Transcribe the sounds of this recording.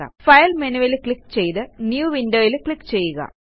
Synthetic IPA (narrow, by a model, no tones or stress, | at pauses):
ɐ̰fɐjlmenuʋelkɭikːt͡ɕe̞jt̪ɨnjuːʋindoːjilkɭikːt͡ɕe̞jːuɣɐ̰